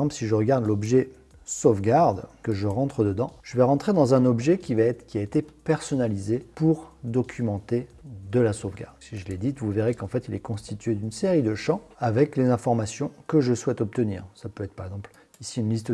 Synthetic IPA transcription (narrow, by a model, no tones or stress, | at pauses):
ɑ̃plsiʒəʁəɡaʁd̪lɔbʒɛ | sovɡaʁd̪kəʒəʁɑ̃t̪χəd̪əd̪ɑ̃ʒ̥əvɛʁɑ̃t̪χed̪ɑ̃zɛ̃nɔbʒɛkʲivakʲiaet̪epɛʁsɔnalizepuʁd̪ɔkʲʰymɑ̃t̪ed̪əlasovɡʲa̰ʁd̪siʒəlɛd̪it̪vuveʁekɑ̃fɛt̪ilɛkɔ̃st̪ʰit̪ɥed̪ynseʁid̪əʃɑ̃avɛklezɛ̃fɔʁmasjɔ̃kəʒəswɛt̪ɔp̚t̪ənḭːʁsapøɛt̪χpaʁɛɡzɑ̃pl | isiynlist̪